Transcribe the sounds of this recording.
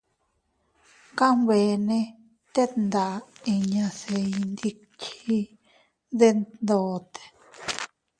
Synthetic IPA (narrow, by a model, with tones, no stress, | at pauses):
ka˦mβe˨nẽ˧ | t̪e˦nd̪a˨i˧ɲã˧se˧i˧nd̪i˧ | kʰi˦ | ðe˦nnd̪oː˨˧t̪e̥˨